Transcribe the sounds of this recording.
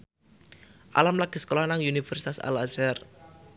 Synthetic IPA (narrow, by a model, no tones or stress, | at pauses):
ʔa̰lamlaɡ̥e̤sə̥kolahnaŋunifɛrsi̥t̪asa̰lazar